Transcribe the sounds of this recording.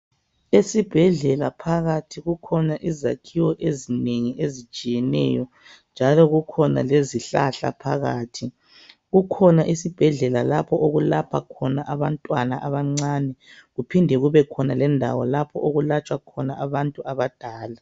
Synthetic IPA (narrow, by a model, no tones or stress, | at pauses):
esib̥ʱɛɮɛlapʰaɣatʰiɣukʰɔnaʔiza̰kʰiwɔʔezineŋiʔezit͡ʃʼijɛnɛ̰jɔ | nd͡ʒʱalɔɣukʰɔna̰leziɬa̰ɬa̰pʰaɣaːtʰi | ɣukʰɔnaʔisib̥ʱɛɮɛlalapʰɔʔoɣulapʰakʰɔnaʔaβantʼwanaʔaβaŋ͡ǀaːnɛɣupʰindʱɛɣuβɛkʰɔnalɛndʱa̰wɔlapʰɔʔoɣulat͡ʃʼwakʰɔnaʔaβantʼuʔaβad̥ʱaːla